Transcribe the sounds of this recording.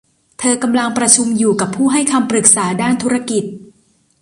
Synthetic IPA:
t̪ʰɤː˧ka˧mla˧ŋpɾa˧t͡ɕʰu˧mjuː˨˩ka˨˩pʰːuː˥˩ɦa˥˩jkʰa˧mpɾɯ˨˩k̚saː˩˦daː˥˩nt̪ʰu˦˥ɾa˧ki˨˩t̪̚

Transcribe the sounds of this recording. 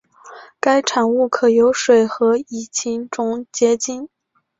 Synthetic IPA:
ka˥ɪʈ͡ʂʰa˨˩nu˥˩kʰɤ˨˩jo˧˥ʊʂwe˨˩ɪxɤ˧˥i˨˩t͡ɕʰi˧˥ŋʈ͡ʂʊ˥ŋt͡ɕjɛ˥t͡ɕi˥n

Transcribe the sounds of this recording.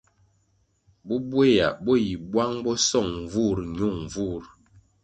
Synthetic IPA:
bɔ˦bwe˦ja̰˨bɔ˦ji˨bwa˦ŋbɔ˦sɔ˦˨ŋ˨vu˦˨ɾɲo˦˨ŋ˨vu˦˨ɾ

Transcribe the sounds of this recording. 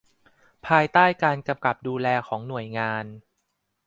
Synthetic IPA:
pʰaː˧jt̪aː˥˩jkaː˧nka˧mka˨˩p̚duː˧lɛː˧kʰɔː˩˦ŋnu˨˩əjŋaː˧n

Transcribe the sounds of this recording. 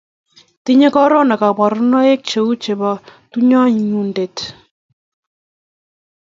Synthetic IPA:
ti˦ɲe˦kɔ˦ɾɔ˦na˨ka˨pa˨ɾnɔ˦e˦k̚t͡ʃe˨u˦t͡ʃe˨bɔtu˦ɲɔ˦ɲunde˨t

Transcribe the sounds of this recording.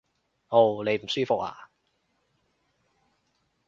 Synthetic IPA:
ʔo˥˩wle˨˧jm̩˨˩syː˥fʊ˨k̚a̰ː˨˩

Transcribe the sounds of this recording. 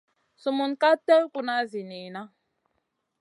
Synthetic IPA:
su˨mu˨nka˦te˦lku˨na˦zi˨ni˨na˦

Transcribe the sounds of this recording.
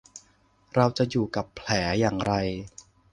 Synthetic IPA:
ɾa˧wt͡ɕa˨˩juː˨˩ka˨˩pʰːlɛː˩˦jaː˨˩ŋɾa˧j

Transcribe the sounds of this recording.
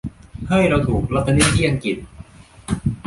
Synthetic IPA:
hɯ˥˩jɾa˧wt̪ʰuː˨˩k̚la˦˥t̪ːa˧ni˦˥i˥˩a˧nki˨˩t̪̚

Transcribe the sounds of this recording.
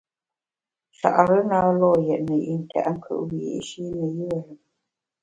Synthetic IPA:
sa̰˨ʔɾə˦na˦lɔː˦˨jɛ˨ʔnə˨ʔḭ˨n̩˨tʰa̰˨ʔŋ̩˦kʰə̰˦ʔwḭ˨˦˨ʔʃi˦nə˨jə˦ə˨ɾə˨

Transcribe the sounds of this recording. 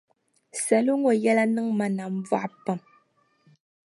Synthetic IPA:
sa˨lu˦ŋɔ˨jɛ˦la˦nɨ˦ŋma˨na˨m˦va̰˦ʔpə˨m

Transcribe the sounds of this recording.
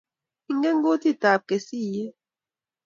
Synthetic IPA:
i˦ŋɡɛ˦ŋɡo˦ti˦˨ta˨p̚ke˨si˦˨je˦

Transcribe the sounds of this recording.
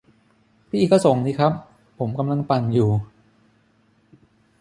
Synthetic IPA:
pʰiː˥˩˨kːɔ˥˩so˨˩˦ŋniː˦˥kʰɾa˦˥pʰː | o˩˦mka˧mla˧ŋpa˨˧njuː˨˩

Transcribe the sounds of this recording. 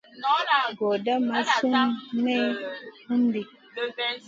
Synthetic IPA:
ɡo˨da˦ma˦su˦nme˦hu˦mdi˨

